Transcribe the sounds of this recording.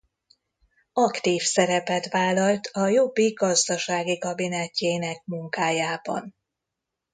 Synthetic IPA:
ɒkt̪iːfsɛɾɛpɛt̪ʋaːlːɒlt̪ʰɒjo̞bːiɡɒzd̪ɒʃaːɡikɒbinɛcːeːnɛkmuŋkaːjaːbɒ̰n

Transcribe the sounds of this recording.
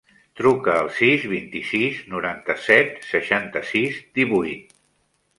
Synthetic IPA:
t̪ɾukəːlˠsizβint̪isiznuɾant̪əsɛt̪səʃant̪əsizd̪iβujt̪

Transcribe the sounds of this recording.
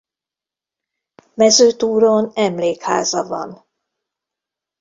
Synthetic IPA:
mɛzøːt̪uːɾonɛmleːkha̰ːzɒvɒ̰n

